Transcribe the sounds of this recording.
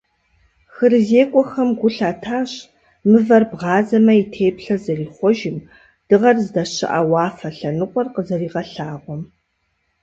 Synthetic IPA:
xɨrɨzeːkʷʼɔxɐmɡʷʊɬaːtʰaːɕ | mɨvɐrbʁɑːzɐmɐitʰeːpɬɐzɐriːχʷɔʒɪm | d̥ɨʁɐrzɨdɐɕɪ̰ʔa̰wɑːfɐɬɐnɨqʷʼɔrqəzɐriːʁɐɬaːʁʷɔm

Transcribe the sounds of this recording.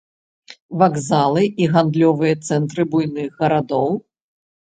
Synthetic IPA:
vaɡzalˠɨiɣand̪lʲɔvɨjɐt̪sɛnt̪ɾɨbujnɨɣɣɐɾad̪ɔw

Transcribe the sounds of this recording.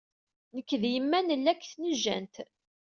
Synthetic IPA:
nəkːðjəmːænəlːækːθnəʒːæ̰nt̪

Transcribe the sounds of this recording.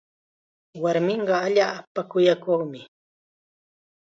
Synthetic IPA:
waɾmɪɴɢɑaʎaːpakʊjakoχmɪ

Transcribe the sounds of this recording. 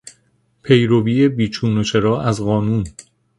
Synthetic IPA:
pʰe̞jɾobiːebiːt͡ʃʰuːnoʃʰeɾɒːʔæzɣɒːnuːn

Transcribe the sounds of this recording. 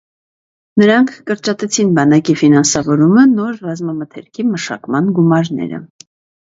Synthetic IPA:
nəɾɑŋkʰːəɾt͡ʃɑt̪ɛt͡sʰinbɑnɑkifinɑnsɑvɔɾumənɔɾrɑzmɑmət̪ʰɛɾkʰiməʃɑ̰kmɑnɡumɑɾnɛ̰ɾə̰

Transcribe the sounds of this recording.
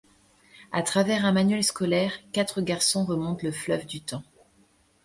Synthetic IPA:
a̰t̪χavɛʁɛ̃manɥɛlskɔlɛʁkat̪χəɡaʁsɔ̃ʁəmɔ̃t̪ləflœvd̪yt̪ɑ̃

